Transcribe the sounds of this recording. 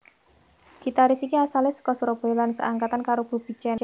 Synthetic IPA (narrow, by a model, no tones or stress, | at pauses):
ɡ̥it̪aɾisikiasalesə̥kɔsɾob̥olansə̰ʔaŋkat̪ankaɾob̥ṳb̥i̤t͡ʃɛn